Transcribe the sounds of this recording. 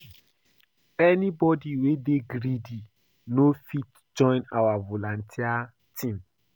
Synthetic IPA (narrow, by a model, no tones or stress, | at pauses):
ɛnibɔdiwedeɡɾidi | nofit | d͡ʒɔ̃ɪ̃na̰wavolãn̩tʰia | tʰĩm